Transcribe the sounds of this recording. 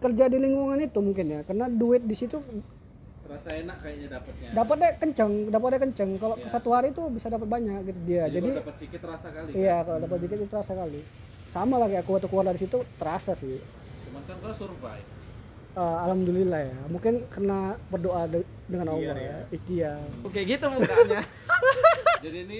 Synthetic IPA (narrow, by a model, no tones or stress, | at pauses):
kərd͡ʒadiliŋɡuŋanit̪umuŋkɪnjakərənaduɪt̪̚disit̪u | ɾasaenaʔkajaʔɲadapat̪̚ɲadapat̪̚dɛkəɲt͡ʃəŋdap̬at̪̚dɛkəɲt͡ʃəŋkalokəsat̪uɦaɾiːt̪ubisadapət̪̚baɲak̚ɡit̪udiad͡ʒadiapat̪sikɪt̪ːɾasakaliijakalodap̬at̪̚sikɪt̪it̪ut̪əɾasakali | samalaɡiakuwat̪ukuwarlaɾisit̪ut̪əɾasasɪh | t͡ʃumankankalasurba̰j | əalamdulilahjamuŋkɪnkərənabərdoʔa | dəŋanaɡajait̪ijaokeɡit̪umuaɲa | d͡ʒadini